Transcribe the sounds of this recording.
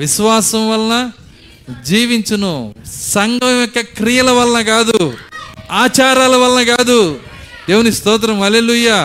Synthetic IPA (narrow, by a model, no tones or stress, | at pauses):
ʋiʃʋaːsɐmʋɐlɐnɐ | d͡ʒiːʋiɲt͡ʃɐnusɐŋɡɐmjɔkːɐkɾijɐlɐʋɐlɐnɐɡaːd̪u | aːt͡ʃaːɾaːlɐʋɐlɐnɐɡaːd̪u | d̪̥eːʋunist̪ɔːt̪ɾɐmɐleluːjaː